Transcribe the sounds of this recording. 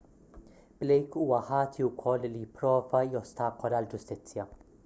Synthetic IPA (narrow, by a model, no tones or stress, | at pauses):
b̥lɛjkuːwɐħɐːt̪ʰiwkʰɔlːlijɪpːɾɔːvɐjɔst̪ɐːkɔlɐld͡ʒʊst̪ɪt͡sːjɐ